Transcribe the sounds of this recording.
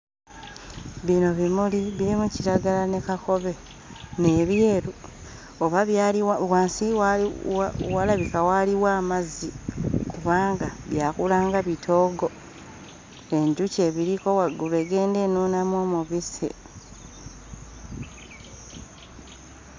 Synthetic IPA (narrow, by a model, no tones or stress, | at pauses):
βino̞βimuliβiɾimuciɾaɡalane̞kako̞βe̞ | ne̞βjeːɾu | oβaβaliwawaːnsiwaawalaβikawaliwaːmazikuβaːŋɡaβjaːkulaːŋɡaβitʰo̞ːɡo̞ | eɲɟuce̞ːβiɾiko̞waɡuɾe̞ɡe̞ːnde̞ːnoːnamwo̞ːmuβisḛ